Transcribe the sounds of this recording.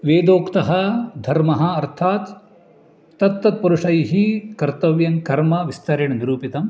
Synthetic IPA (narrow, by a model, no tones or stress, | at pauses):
ʋeːd̪oːkt̪ɐɦɐd̪ʱɐɾmɐɦɐ̆ɐɾt̪ʰaːt̪ː | ɐt̪ːɐt̪̚pɐɾuʂɐjɦikɐɾt̪ɐʋjɐŋkɐɾmɐʋist̪ɐɾeɳɐniɾuːpit̪ɐm